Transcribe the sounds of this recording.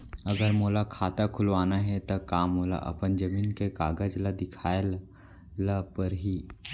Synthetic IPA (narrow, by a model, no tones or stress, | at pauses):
ɐɡəɾmoːlakʰaːt̪akʰʊlʋaːnaɦɛt̪okaːmoːla̰ʔɐ̰pənd͡ʒɐmiːnkekaːɡəd͡ʒlad̪ɪkʰaːjl | lapəɾɦiː